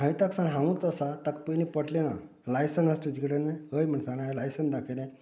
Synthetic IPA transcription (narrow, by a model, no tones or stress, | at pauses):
ɦãit̪aksanɦãwũt͡səsat̪ak̚pənipəʈlena̰ | lajsənəst̪ut̪ikɽeneɦəjm̤əɳsanaelajsənd̪akʰeɾẽ